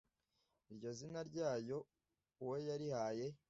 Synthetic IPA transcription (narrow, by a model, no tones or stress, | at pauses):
iɾɟo̞zinaɾɟaːjo̞ | wejaɾihaːje̞